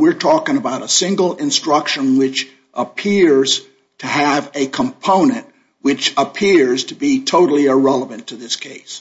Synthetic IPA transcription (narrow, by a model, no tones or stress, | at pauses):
wɪɹtʰɔkɪ̃ŋəbaʊɾəsɪ̃ŋɡl̩ˠɪ̃nstɹ̥ʌkʃə̃nwɪt͡ʃ | ʔəpʰɪɹz̥ | tʰɨːɨvɨkʰə̃mpʰõʊ̃nɨ̃nʔ̚ | wɪt͡ʃəpʰɪɹz̥tʰɨbitʰoʊɾl̩ˠiəɹɛlˠəvɨ̃ntʰɨðɪskʰeɪs